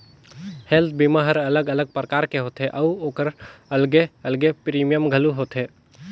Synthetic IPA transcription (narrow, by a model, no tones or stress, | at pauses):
helt̪̚ʰbimaɦəɾɐləɡələɡ̚pɾəkaːɾkeɦoːt̪ɦeʔɐuoːkəɾəlɡeəlɡepɾiːmijəmɡʱəluɦoːt̪ɦeː